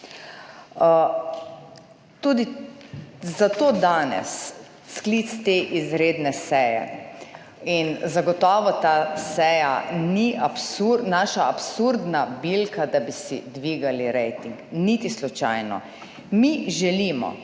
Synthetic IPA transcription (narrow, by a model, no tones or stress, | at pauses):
t̪ud̪i | zat̪oːd̪aːnɛ̰s | sklit̪st̪eʔizɾeːd̪nɛsɛjɛ̰ | inzaɡɔt̪ɔːʋɔt̪asɛjaniʔapsuɾnaːʃaːpsuɾd̪nabilkad̪abisḭd̪ʋiːɡaliɾɛjt̪iŋknit̪islut͡ʃa̰jnɔ̰ | miʒɛliːmɔ̰